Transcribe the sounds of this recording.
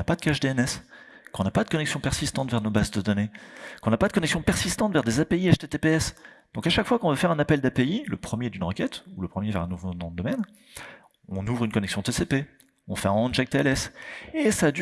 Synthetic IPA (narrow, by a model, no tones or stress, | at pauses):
apad̪əkaʃd̪eɛnɛs | kɔ̃napad̪ə̥kɔnɛksjɔ̃pɛʁsist̪ɑ̃t̪vɛʁnobazd̪əd̪ɔnekɔ̃napad̪əkɔnɛksjɔ̃pɛʁsist̪ɑ̃t̪vɛʁd̪ezapeiaʃt̪et̪epeɛs | d̪̥ɔ̃kaʃakfwakɔ̃vəfɛʁɛ̃napɛld̪apeiləpχəmjed̪ynʁəkʲɛt̪uləpχəmjevɛʁɛ̃nuvomɑ̃d̪ɔmɛn | ɔ̃nuvʁynkɔnɛksjɔ̃t̪esepe | ɔ̃fɛɛ̃ɑ̃ʒak̚t̪eɛlɛsesaːd̪y